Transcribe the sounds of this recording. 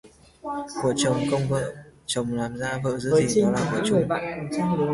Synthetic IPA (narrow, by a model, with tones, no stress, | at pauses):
ku˧˩ət͡ɕə˨˩wŋ͡mkə˧wŋ͡mvə̰ː˧˨t͡ɕə˨˩wŋ͡mlaː˨˩mzaː˧və̰ː˧˨zɨ̰˧˥əː˨˦i˨˩i˨˧˩ɔ˨˦laː˨˩və̰˧˩˦t͡ɕə˨˩ɓa̰ː˧˨nkə˨˩mt͡ɕaː˧ŋɗʊ˨˦